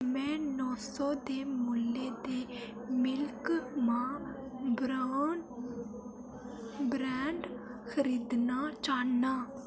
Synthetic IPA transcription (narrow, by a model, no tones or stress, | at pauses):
mɛ̃ːnɔːsɔːd̪eːmʊlːeːd̪eː | mɪlkmãːb | bɾɛːɳɖxʰəɾiːd̪naːt͡ʃaːnaː